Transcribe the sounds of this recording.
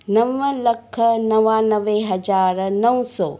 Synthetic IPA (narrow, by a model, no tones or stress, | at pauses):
nɐʋːɐlɐkʰːɐnɐʋaːnɐʋeɦɐd͡ʒaːɾnɐwsoː